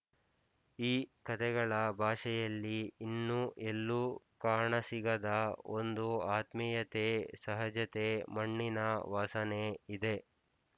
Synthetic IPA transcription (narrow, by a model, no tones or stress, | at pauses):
iːkɐt̪ʰɛɡɐɭɐbʱaːʂɛjɐlːiːnːuʔelːu | kaːɳɐsiɡɐd̪ɐond̪uaːt̪mɛjɐt̪esɐɦɐd͡ʒɐt̪emɐɳːinɐʋaːsɐneid̪e